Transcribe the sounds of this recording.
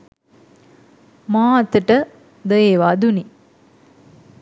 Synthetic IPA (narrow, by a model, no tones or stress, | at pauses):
maːɐt̪əʈə | d̪əjeʋad̪uni